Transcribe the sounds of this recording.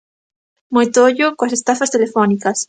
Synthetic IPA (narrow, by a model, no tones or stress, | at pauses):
mojt̪oʎokoasest̪afast̪elefonikas